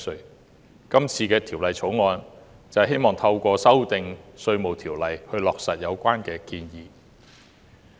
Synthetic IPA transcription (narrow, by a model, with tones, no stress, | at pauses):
sɵ˨˧˩ | kɐ˥mt͡sʰiː˧kɛː˧t̪ʰiː˨˩wlɐ˨jt͡sʰo˨˥wŋɔː˧n | t͡sɐ˨ɦe˥jmɔː˨˩ŋt̪ʰɐ˧wkʷɔː˧sɐ˥wt̪ɪ˨˧ŋsɵ˧ɥmo˨wt̪ʰiː˨˩wlɐ˨jhɵ˧ɥlɔː˨k̚sɐ˨t̚jɐ˨˧wkʷaː˥nkɛː˧kiː˧njiː˨